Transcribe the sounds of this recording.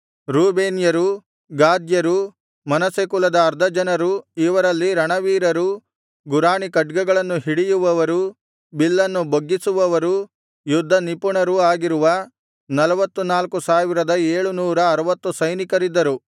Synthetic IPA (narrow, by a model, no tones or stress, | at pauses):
ɾuːbeːnjɐɾu | ɡaːd̪jɐɾu | mɐnɐsekulɐd̪ɐːɾd̪ʱɐd͡ʒɐnɐɾuiʋɐɾɐlːiɾɐɳɐʋiːɾɐɾu | ɡuɾaːɳikɐɖɡɛɡɐɭɐnːuɦiɽijuʋɐʋɐɾu | bilːɐnːuboɡːisuʋɐʋɐɾu | jud̪ʱːɐnipuɳɐɾuaːɡiɾuʋɐ | nɐlɐʋɐt̪ːunaːlkusaːʋiɾɐd̪ɐeːɭunuːɾɐːɾɐʋɐt̪ːusɐjnikɐɾid̪ːɐɾu